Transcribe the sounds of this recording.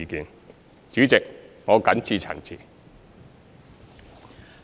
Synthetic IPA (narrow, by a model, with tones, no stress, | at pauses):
i˧kiː˨n | t͡ʃyː˨˥t͡sɪ˨k̚ŋoː˨˧kɐ˨˥nt͡sʰiː˧t͡sʰɐ̰˨˩t͡siː˨˩